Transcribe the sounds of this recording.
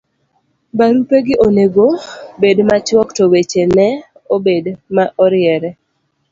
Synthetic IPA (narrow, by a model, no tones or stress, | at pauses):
baɾupeɡɪʔoneɡobedmat͡ʃwɔktɔwet͡ʃenɛ | obedmaʔɔɾɪɛɾɛ